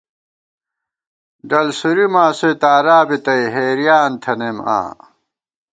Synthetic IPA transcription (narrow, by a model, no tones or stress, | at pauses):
ɖɐlsuɾimaːset̪aːɾaːbit̪ɐjɦeːɾjaːnt̪ʰɐnema̰ː